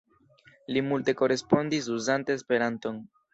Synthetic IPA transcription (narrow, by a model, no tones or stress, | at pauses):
limulte̞ko̞ɾe̞spo̞ndis̬uzanteːspe̞ɾanto̞n